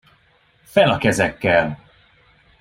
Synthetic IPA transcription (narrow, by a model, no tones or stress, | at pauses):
fɛlɒkɛzɛkːɛl